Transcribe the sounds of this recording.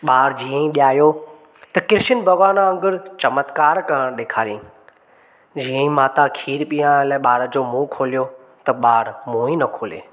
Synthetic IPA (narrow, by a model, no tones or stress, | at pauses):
ɓaːɽd͡ʑiːə̃ĩɗijaːjo | t̪ɐkɪɾɪʃənbʱɐɣwaːnaɐ̃ŋɡɪɾt͡ɕɐmət̪kaːɾkɐɾə̃ɽ̃ɗeːkʰaːɾjĩ | d͡ʑiːə̃ĩmaːt̪akʰiːɾpiːãlaːɪɓaːɽəd͡ʑoːmũːkʰoːlijo | t̪ɐɓaːɽmũːĩnɐkʰoːlḛː